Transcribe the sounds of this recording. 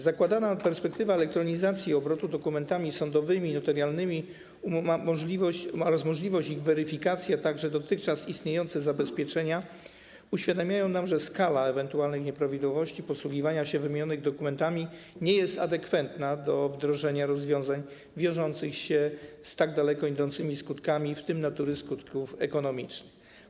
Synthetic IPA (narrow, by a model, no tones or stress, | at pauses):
zakwad̪anapɛɾspɛk̚t̪ɘvaɛlɛk̚t̪ɾɔɲizat̪sʲjiɔbɾɔt̪ud̪ɔkumɛnt̪amʲisɔnd̪ɔvɘmʲinɔt̪ɛɾjalnɘmʲi | mamɔʐʲivɔɕɔɾasmɔʐlʲivɔɕt͡ɕiɣvɛɾɘfʲikat̪sʲjat̪aɡʐɛd̪ɔt̪ɘxt͡ʂasist̪ɲejɔnt̪sɛzabɛspʲjɛt͡ʂɛɲa | uɕfʲjad̪amʲjajɔ̃w̃namʐɛskalaɛvɛnt̪ualnɘxɲɛpɾavʲid̪wɔvɔɕt͡ɕipɔswuɡʲivaɲaɕɛvɘmʲɲɔnɘɣd̪ɔkumɛnt̪amʲi | ɲɛjɛst̪a̰d̪ɛkfɛnt̪nad̪ɔvd̪ɾɔʐɛɲaɾɔzvʲjɔ̃w̃zaɲ | vʲjɔ̃w̃ʐɔnt̪sɘxɕɛst̪aɡ̚d̪alɛkɔid̪ɔnt̪sɘmʲiskut̪kamʲift̪ɘmnat̪uɾɘskut̪kufɛ̰kɔnɔmʲit͡ʂnɘx